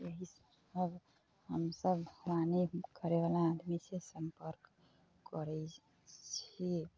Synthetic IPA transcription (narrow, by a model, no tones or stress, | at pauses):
jəɦis | əbʱ | həmsəbʱɾanekəɾeʋalaːd̪misesəmpəɾk | kːəɾɛ | t͡ʃʰi